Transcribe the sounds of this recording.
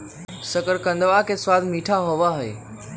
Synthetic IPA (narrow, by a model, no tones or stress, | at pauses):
sɐkəɾkɐ̃nd̪əʋakʰeːswaːd̪ʱmiːʈʰaɦoːʋaɦḛː